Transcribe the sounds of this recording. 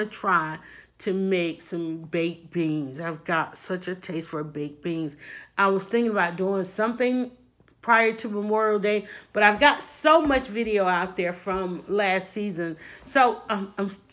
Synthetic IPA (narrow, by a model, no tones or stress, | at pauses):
nɨtʰɹ̥aɪɾɨmeɪksʌ̃mbeɪk̚b̥ĩŋzaɪvɡɑtsʌt͡ʃɨtʰeɪstfə˞beɪk̚b̥ĩŋzʔaɪwʌz̥θɪ̃ŋkɪ̃ŋəbaʊt̚d̥uɪ̃ŋsʌ̃mθɪ̃ŋ | pʰɹ̥aɪə˞ɾɨməmɔ˞l̩ˠdeɪb̥ʌɾaɪvɡɑtsoʊmʌt͡ʃvɪɾioʊaʊt̪̚ðə˞fɹʌ̃mlæstsizɨ̃nsoʊʌãɪ̃ms